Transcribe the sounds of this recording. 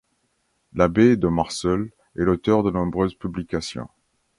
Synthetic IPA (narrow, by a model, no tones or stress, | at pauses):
labed̪əmaʁsɔl | ɛlot̪œʁd̪ənɔ̃bʁøzpyblikasjɔ̰̃